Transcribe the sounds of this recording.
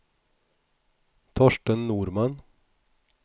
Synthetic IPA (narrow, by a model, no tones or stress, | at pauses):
t̪ʰɔʃʈənnuːɾmɑn